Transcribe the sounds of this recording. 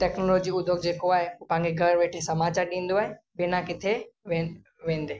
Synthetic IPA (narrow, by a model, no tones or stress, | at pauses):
ʈɛːknoloːd͡ʑiʊd̪ʱoɡd͡ʑeːkoaːɦeupããŋɡeɡʱɐɾʋeːʈʰesɐmaːt͡ɕaːɾɗĩːnd̪oaːɦe | bɪnãkɪt̪ʰeʋe | ʋẽːnd̪eː